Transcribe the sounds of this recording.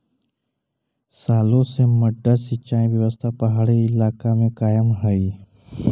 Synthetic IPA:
saloseməɖːəsit͡ɕaĩʋjəʋəst̪ʰapəɦaɽeilakamekajəmɦəi

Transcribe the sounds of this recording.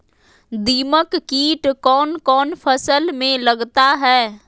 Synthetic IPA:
d̪iːməkːiːʈkɔːnkɔːnfʰəsəlmẽlɐɡt̪aɦɛː

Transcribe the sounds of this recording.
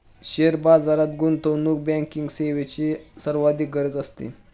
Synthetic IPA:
ɕeɾbad͡zaɾat̪ɡunt̪onuk̚bɛ̃ŋkiŋɡseʋet͡ɕisəɾʋad̪iːɡəɾd͡zəst̪ḭ

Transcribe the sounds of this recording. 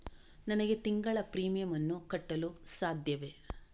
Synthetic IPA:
nɐnɐɡe̞t̪iŋɡɐɭɐpɾiːmijɐmɐnːukɐʈːɐlusaːd̪ʱjɐʋe

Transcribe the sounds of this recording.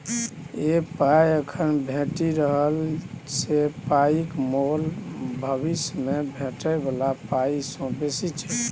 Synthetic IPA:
epajəkʰənbʱeʈiɾəɦəlsepaikmolbʱəβismebʱẽʈəbəlapaisɔ̃besit͡ʃʰɛ

